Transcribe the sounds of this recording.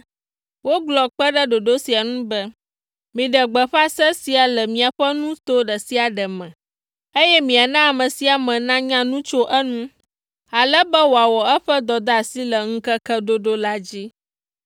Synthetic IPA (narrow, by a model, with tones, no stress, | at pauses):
wo˦ɡ͡blɔ˨k͡pɛ˦ɖə˦ɖo˨ɖo˦si˨a˨nũ˦bɛ˦ | mĩ˨ɖɛ˨ɡ͡bɛ˨ɸa˦sɛ˦si˨a˨lɛ˨mĩ˨a˨ɸɛ˦nũ˦t̪o˦ɖə˨si˦a˨ɖɛ˨mɛ̃˨ | e˦jɛ˦mĩ˨a˨nã˦a˨mə̃˨si˨˦a˨mɛ̃˨nã˦ɲã˦nũ˦t͡ʃo˦ʔə˦nũ˦ | a˨lɛ˦bɛ˦wo˨a˨wɔ˨ɛ˦ɸɛ˦d̪ɔ˨d̪a˦a˨si˦lə˨ŋ̩˦kə˦kə˦ɖo˦ɖo˦la˦d͡ʑi˦